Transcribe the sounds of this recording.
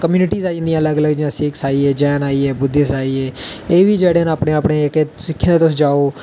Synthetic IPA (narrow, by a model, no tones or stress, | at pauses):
kəmjuːnɪʈiːzaːə̃nd̪ijãːələɡələɡd͡ʒijãːsɪːksaːiːɛːd͡ʒɛːnaːiːɛːbʊd̪esaːiːɦɛː | eːʋiːd͡ʒeːɽeːənəːpnẽːəpneːkesɪkʰːẽːnd̪eːt̪ʊsĩːd͡ʒaːoː